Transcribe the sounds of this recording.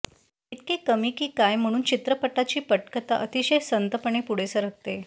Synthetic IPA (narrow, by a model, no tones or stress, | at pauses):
iʈ̚kekəmiːkiːkajm̤əɽ̃uːnt͡ɕit̪ɾəpəʈat͡ɕiːpəʈkət̪a̰ʔət̪iɕəjsənt̪əpəɳ̃epuɽ̤esəɾək̚t̪e